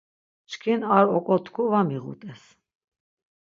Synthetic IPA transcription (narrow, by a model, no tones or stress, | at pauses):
t͡ʃʰkʰinaɾɔkʼɔt̪ʰkʰuvamiʁṵt̪ʼɛs